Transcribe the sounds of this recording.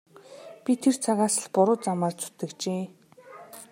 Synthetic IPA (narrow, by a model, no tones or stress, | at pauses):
pʲit̪ʰert͡sʰaɣaːsə̆ɮpʊɾʊːt͡samaːrt͡sʰu̥t̪ɘ̆kt͡ɕeː